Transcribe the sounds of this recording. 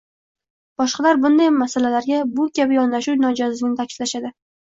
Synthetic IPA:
b̥ɒʃqɑlaɾbʊnd̪ajmasalalaɾɡʲabʊkʲʰabɪjɒnlaʃuwnɒd͡ʒɒzlɪɡʲnɪt̪ʰakʲʰɪ̥slaʃad̪ɪ

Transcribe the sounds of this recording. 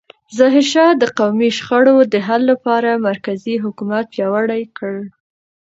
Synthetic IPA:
zɑɦɪɾʃɑd̪əqawmiʃxaɽod̪əɦalːapɑɾamaɾkaziɦʊkumat̪̚pjɑwaɽajkəɭ

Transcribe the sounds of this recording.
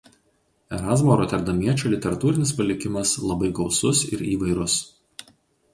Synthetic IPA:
ɛɾɑːzmoːɾɔːt̪ʲɛɾd̪ɐmʲiɛt͡ʃʲoːlʲɪt̪ʲɛɾɐt̪uːɾʲɪnʲɪspɐlʲɪkʲɪmɐslˠɐbɐɪɡɒʊsʊsɪ̰ɾiːʋɐɪɾʊs

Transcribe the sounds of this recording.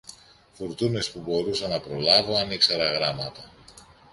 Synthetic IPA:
fuɾt̪une̞spubo̞ɾusɐnɐpɾo̞lɐvoɐnikseɾɐɣɾɐmɐt̪ɐ

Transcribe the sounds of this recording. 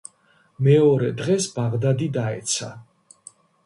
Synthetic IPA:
mɛɔɾɛd̪ʁɛsbaʁd̪ad̪id̪aɛ̰t̪sʰa

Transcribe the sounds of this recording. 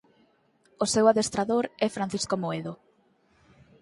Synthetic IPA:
osewaðest̪ɾaðoɾɛfɾan̟θiskomoeðo

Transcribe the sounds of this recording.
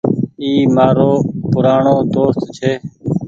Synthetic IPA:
iːmaːɾoːpʊɾaːɳoːd̪oːst̪t͡ʃʰeː

